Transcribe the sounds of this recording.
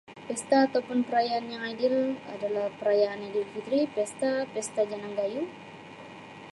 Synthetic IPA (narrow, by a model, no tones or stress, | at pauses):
pɛst̪aːt̪awpʊnpəɾajaːnjaŋadɪla̰dalahpəɾajaːnadilfit̪ɾipɛst̪apɛst̪ad͡ʒanaŋɡaju